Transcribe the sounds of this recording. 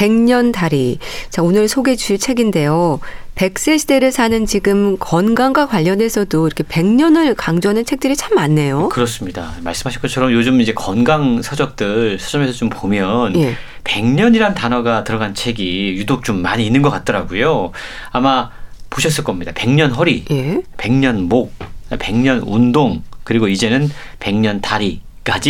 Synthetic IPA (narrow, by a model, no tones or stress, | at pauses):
pe̞ŋɲʌntaɾi | t͡ɕaonɯɭsʰoɡe̞d͡ʑuɕʰiɭt͡ɕʰe̞ɡinde̞jo | pe̞k̚s͈e̞ɕʰide̞ɾɯɭsʰanɯnt͡ɕiɡɯmkʌnɡaŋɡwakwaʎːʌne̞sʰʌdoiɾʌkʰe̞pe̞ŋɲʌnɯɭkaŋd͡ʑʌnɯnt͡ɕʰe̞k̚t͈ɯɾit͡ɕʰamːanːe̞jokɯɾʌs͈ɯmɲida | ma̰ɭs͈ɯmɦaɕʰiŋɡʌt͡ɕʰʌɾʌmjod͡ʑɯmid͡ʑe̞kʌnɡaŋsʰʌd͡ʑʌk̚t͈ɯɭsʰʌd͡ʑʌmesʰʌt͡ɕompomjʌnje | pe̞ŋɲʌɲiɾantanʌɡatɯɾʌɡant͡ɕʰe̞ɡijudok̚t͡ɕ͈omːaɲiːnːɯnɡʌk͈at̚t͈ʌɾaɡujoamapoɕʰʌs͈ɯɭk͈ʌmɲidape̞ŋɲʌnɦʌɾijepe̞ŋɲʌnmok̚pe̞ŋɲʌnundoŋkɯɾiɡoid͡ʑe̞nɯn | pe̞ŋɲʌntaɾi | k͈ad͡ʑi